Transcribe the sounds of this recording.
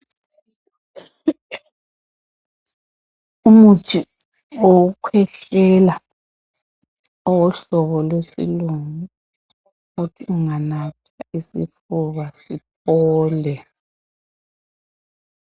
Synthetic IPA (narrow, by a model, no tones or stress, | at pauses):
umut͡ʃʰʼi | owukʰwɛɬɛla | ɔwɔɬɔβɔlwesḭluŋu | utʰiuŋanapʰaisḭfuβasip̚ʰɔːlɛ